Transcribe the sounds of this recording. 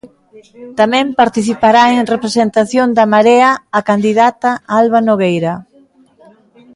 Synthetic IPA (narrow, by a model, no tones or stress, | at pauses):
t̪amɛ̃mpaɾt̪iθipaɾaeŋrepɾesent̪aθjond̪amaɾeaːkand̪iðat̪aalβanoɣejɾɐ